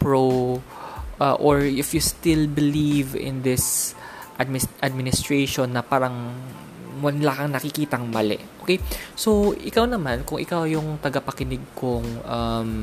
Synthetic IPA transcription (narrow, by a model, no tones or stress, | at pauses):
pɹow | ʔaʔoɹɪfjust̪ɪlbɪlivɪ̰nd̪ɪsʔad̪mɪʔɐd̪̚mɪnɪst̪ɹejʃonːɐpaːɾɐŋ | wɐnlaːkɐŋnɐkɪkiːt̪ɐŋmɐlɛ̰ʔʔoːkejsowʔɪkawnɐmankʊŋʔɪ̰kawjʊŋt̪ɐɡɐpɐkɪnɪɡ̚kʊŋʔɐm